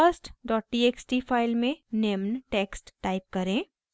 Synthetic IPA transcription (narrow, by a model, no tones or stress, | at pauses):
əsʈɖɔːʈ̚ʈiːeksʈipʰaːɪlmẽnemnʈeːksʈːaːɪp̚kɐɾẽː